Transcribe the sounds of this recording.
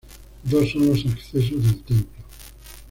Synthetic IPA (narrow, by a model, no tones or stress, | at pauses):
d̪osõnlosekθes̬ozðelt̪empjo